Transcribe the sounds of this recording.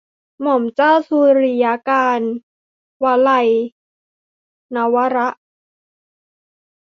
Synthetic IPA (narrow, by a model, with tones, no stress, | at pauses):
mo˨˩˦mt͡ɕaː˥˩wsuː˧ɾi˧ja˦˥kaː˧n | wa˧la˧j | a˦˥wa˦˥ɾa˦˥ʔ